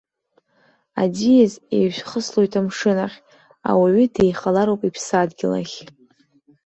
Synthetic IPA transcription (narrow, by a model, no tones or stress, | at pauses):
a̰dijezḛɥʃʷᶣχəslojtʰamʂɨnaχʲ | a̰waɥʏdejχalaɾowpʼipʰsadɡʲɪla̰χʲ